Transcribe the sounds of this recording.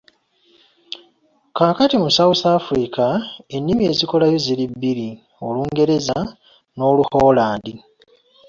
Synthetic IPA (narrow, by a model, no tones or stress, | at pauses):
kaːkatimusawusaːfuɾikae̞nːimie̞ːziko̞lajo̞zilibːiɾi | o̞luːŋɡe̞ɾe̞za | no̞ːluhoːlaːndi